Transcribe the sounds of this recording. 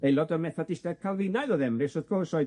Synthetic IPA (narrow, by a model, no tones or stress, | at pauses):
ejlˠɔdəmɛθadɪstɛð̥kʰalˠvɪnajðɔðɛmrɨsɔðpʰrɔsɔɨ